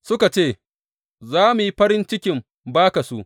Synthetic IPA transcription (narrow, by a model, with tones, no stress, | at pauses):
sʊ˦ka˨t͡ʃeː˦˨ | zaː˦mu˨ji˦ɸɐ˦ɾɪ˦nt͡ʃɪ˦kʲɪ˨m | baː˦ka˨su˦ʔ